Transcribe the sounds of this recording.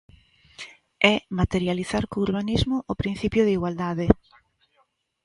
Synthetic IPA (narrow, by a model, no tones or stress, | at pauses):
ɛmat̪eɾjaliθaɾkouɾβanizmʊʔopɾin̟θipjʊð̞iɣwald̪aðɪ